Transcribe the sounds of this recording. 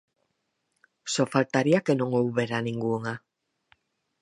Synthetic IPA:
sofalt̪aɾiakenõŋowβeɾanĩŋɡuŋa

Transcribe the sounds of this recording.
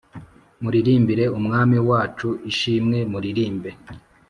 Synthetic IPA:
muɾiɾiːmbiɾe̞umŋaːmiwaːt͡ʃuiʃiːmŋe̞muɾiɾiːmbe̞

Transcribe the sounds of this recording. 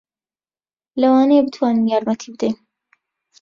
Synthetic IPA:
lɐwɑːnebɨt̪ʰwaːninjaːɾmɐt̪ʰiːbɨd̪ejn

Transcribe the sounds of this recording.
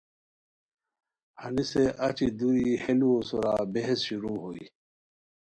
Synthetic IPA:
hɐniseʔɐt͡ɕid̪uɾiheluosuɾaːbeɦesɕuɾuɦoḭ

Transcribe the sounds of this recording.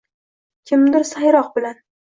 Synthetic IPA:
kʲʰɪmd̪ɪɾsajɾɒq̚bɪlan

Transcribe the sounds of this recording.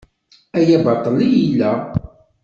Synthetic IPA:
æjæbɑt̪ˤːəlijilːæ

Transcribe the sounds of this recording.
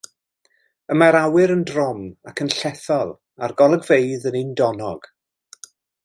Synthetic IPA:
əmaɾawɪɾəndrɔmakʰənɬɛθɔlˠ | arɡɔlˠəɡvejðənɪndɔnɔɡ̥

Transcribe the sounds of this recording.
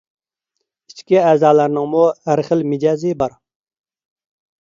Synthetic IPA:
it͡ʃkʲiɛːzɑːlæɾnɪŋmuhæɾχəlmɪd͡ʒɑːzɨbɑɾ

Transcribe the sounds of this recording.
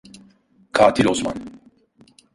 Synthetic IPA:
kʰaːt̪ʰilosma̰n

